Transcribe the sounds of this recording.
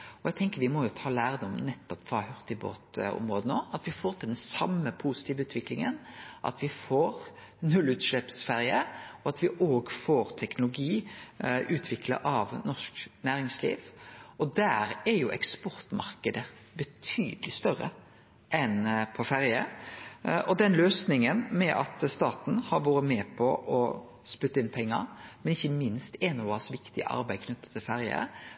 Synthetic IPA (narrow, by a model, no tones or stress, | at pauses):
ɔæt̪ʰɛŋkəɾʋɪmɔjʊt̪ʰɑːlæːɾəd̪ɔmnɛt̪ːɔpfɾɑhœʁt̪ɪbo̰ːt̪ɔ̰mɾoːd̪ənoːɑt̪ʋɪfoːɾt̪ʰɪld̪ɛnsɑmːəpʰusɪ̥t̪ʰiːʋəʉːt̪ʰʋɪklɪŋə̰nʔɑ̰t̪ʰʋɪfoːɾ | nʉlːʉːt̪ʃlɛpsfæɾjəɔɑt̪ʋɪʔoːɡfoːɾt̪ʰɛknʊlʊɡiːʔʉːt̪ʰʋɪklə̰ʔɑʋnɔʂknæːɾɪŋslḭːʋɔd̪æːɾɛɾjʊʔɛ̰kspɔɾt̪mɑ̰ɾkəd̪ə | bət̪ʰy̰ːd̪əlɪst̪œɾːə̰ | ʔɛnpʰɔfæɾjə | ʔɔd̪ɛnløːsnɪŋənmɛʔɑt̪st̪ɑːt̪n̩hɑɾʋoːɾəmɛːpʰɔʔɔ | spʉt̪ːəɪnpʰɛŋːə̰ɾmɛnɪçːəmɪnst̪ɛnʊʋɑsʋɪkt̪ɪə̰ʔɑ̰ɾbæɪkʰnʏt̪ːə̥t̪ʰɪlfæɾjə̰